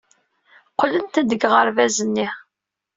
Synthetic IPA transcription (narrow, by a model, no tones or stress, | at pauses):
qlənt̪æd̪əɡʁəɾvæzənːi